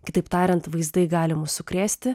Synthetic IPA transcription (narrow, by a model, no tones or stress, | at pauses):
kʲɪt̪ɐɪpt̪ɑːɾʲɛnt̪ʋɐɪzd̪ɐɪɡɑːlʲɪmʊsʊkɾʲæːsʲt̪ʲɪ